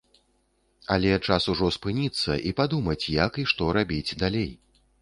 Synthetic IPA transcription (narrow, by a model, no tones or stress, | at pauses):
a̰lʲɛt͡ʂasuʐɔspɨnʲit̪sːɐʔipad̪umɐt͡sʲjakiʂt̪ɔɾabʲit͡sʲd̪alʲej